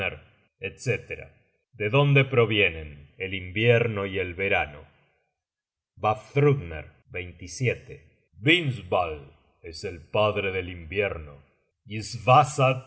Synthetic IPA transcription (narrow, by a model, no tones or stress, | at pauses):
eɾ | et̪set̪eɾa̰ | d̪eðo̞nd̪e̞pɾo̞βje̞nenelimbjeɾnoie̞lβe̞ɾano̰ | baft̪ɾuɣnḛɾ | bejnt̪isjet̪e | βinsβal | eselpaðɾeðelimbjeɾno | izβasa